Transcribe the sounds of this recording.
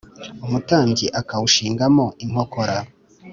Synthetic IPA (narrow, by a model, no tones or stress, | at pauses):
umutaːɲɟiʔakawuʃiːŋɡamo̞ʔiŋ̥ho̞koɾa